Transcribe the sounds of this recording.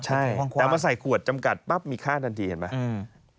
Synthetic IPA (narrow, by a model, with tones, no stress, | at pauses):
t͡ɕʰa˧˥˩jɛː˨˩˧ma˧nsa˨˩jkʰu˨˩ət̪̚t͡ɕa˧mka˨˩t̪̚pa˦˥˩p̚miː˧kʰaː˥˩t̪ʰa˧nt̪ʰiː˧ka˨˩nma˦˥˧